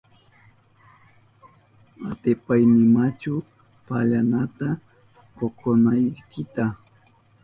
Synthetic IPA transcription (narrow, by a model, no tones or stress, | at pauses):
a̰t̪ɪpajnɪmat͡ʃʊ | paʎanat̪a | kokʰonajkɪt̪a